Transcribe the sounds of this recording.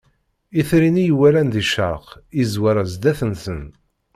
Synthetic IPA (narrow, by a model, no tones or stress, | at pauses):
iθɾinijwælænðiʃə̰ɾˤqizwaɾˤazd̪æθənsən